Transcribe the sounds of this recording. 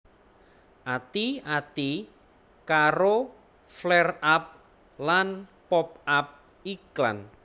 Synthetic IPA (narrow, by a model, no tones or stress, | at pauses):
ʔat̪iat̪i | kaɾo | flɛrap̚ | lanpɔp̚ap̚ | ikla̰n